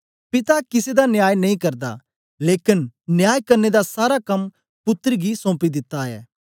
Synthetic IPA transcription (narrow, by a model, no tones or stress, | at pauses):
pɪt̪akɪsed̪anjaːjnɐĩkɐɾd̪a̰ | leːkɪnnjaːjkɐɾned̪asaːɾakɐm | pʊt̪ːɾɡisɔ̃ːpid̪ɪt̪ːaɛ̰ː